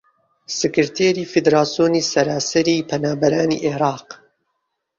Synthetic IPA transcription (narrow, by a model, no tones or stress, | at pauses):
sɨkɨɾt̪ʰeːɾiːfid̪ɾaːsijoːniːsɐɾaːsɐɾiːpʰɐnaːbɐɾaːnḭːʔeɾɑːq